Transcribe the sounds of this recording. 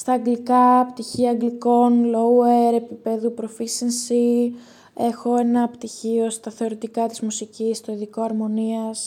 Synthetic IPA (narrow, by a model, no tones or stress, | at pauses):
st̪ɐːŋɡlikɐpt̪içiɐŋɡliko̞nloueɾe̞pipe̞ðupɾo̞fisinsi | e̞xo̞e̞nɐpt̪içio̞st̪ɐθe̞o̞ɾit̪ikɐt̪izmusicist̪o̞iðiko̞ɐɾmo̞niɐs